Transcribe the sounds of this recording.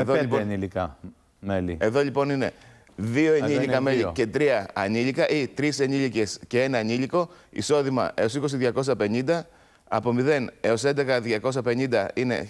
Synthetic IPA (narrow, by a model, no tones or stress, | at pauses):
eðoionilikɐ | melieðo̞ʎipo̞nine̞̰ | ðio̞eɲiʎikɐmeʎice̞t̪ɾiɐɐniʎikɐʔit̪ɾise̞ɲiʎice̞sce̞enɐːɲiliko̞ḭso̞ðimɐ̰ʔe̞o̞siko̞s̬iðʝɐko̞s̬ɐpe̞ɲind̪ɐ | ɐpo̞miðe̞ne̞o̞se̞nd̪ekɐðʝɐko̞s̬ɐpe̞ɲind̪ɐine̞̰